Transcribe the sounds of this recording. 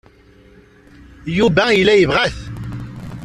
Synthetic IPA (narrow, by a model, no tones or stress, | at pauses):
jubæjəlːæjəvʁæθ